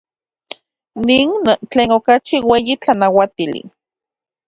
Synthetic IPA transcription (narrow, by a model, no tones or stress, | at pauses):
niːnt͡ɬeːnokat͡ʃiweːjit͡ɬanawat̪ilḭ